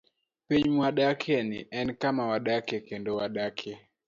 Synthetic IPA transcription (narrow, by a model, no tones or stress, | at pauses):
pɛɲmwaɗakʰɛniʔɛnkamawaɗakɛkɛndɔwaɗakʰɛ